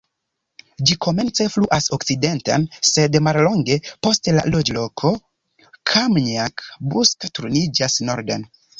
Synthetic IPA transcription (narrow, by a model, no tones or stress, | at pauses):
d͡ʒikʰo̞me̞nt͡se̞fluʔaso̞kt͡side̞nta̰nse̞dmallo̞ŋɡe̞po̞stla̰lo̞d͡ʒlo̞kʰo̞ | kʰamniakbuskatɾonid͡ʒasno̞ɾden